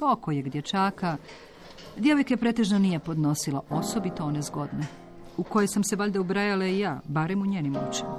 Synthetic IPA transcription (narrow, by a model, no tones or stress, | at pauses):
pokojeɡd̪jet͡ʃaːka | d̪je̞ʋo̞jkepɾet̪e̞ʒnonije̞po̞d̪no̞silˠaʔo̞so̞bit̪oonezɡo̞d̪ne | uko̞jesamse̞ʋaʎʲd̪aubɾajalaijaːbaɾemuɲeːnimot͡ʃi̥m